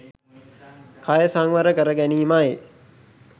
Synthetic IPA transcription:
kʰajəsaŋʋəɾəkəɾəɡæniːmaje

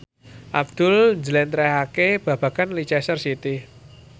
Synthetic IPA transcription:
ʔab̚d̪̥ʊ̤lɲd͡ʒəlɛnt̪ɾɛhakeb̥ä̤b̥ä̤kanlit͡ʃɛsərsit̪i

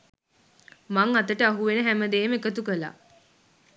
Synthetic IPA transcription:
maŋat̪əʈəaɦuʋenəɦæməd̪eːmekət̪ukəla̰

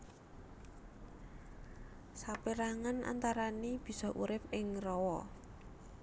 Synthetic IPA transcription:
sapiɾaŋanʔa̰nt̪aɾanib̥i̤sɔʔuɾɪpɪŋrɔwɔ

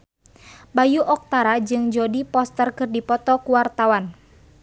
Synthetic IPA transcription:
bajuʔɔk̚t̪aɾad͡ʒɨŋd͡ʒɔdipɔst̪ərkɨrdipɔt̪ɔkuwart̪awan

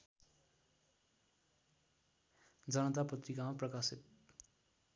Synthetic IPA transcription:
d͡zʌnʌt̪apʌt̪rikamaprʌkasit̪̚

